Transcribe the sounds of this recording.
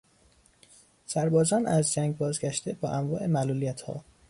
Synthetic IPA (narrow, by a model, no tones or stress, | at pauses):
sæɾbɒːzɒːnæzd͡ʒæŋɟbɒːzɡæʃt̪e̞bɒːʔæmvɒːʔe̞mæluːlijæt̪ʰhɒ̰ː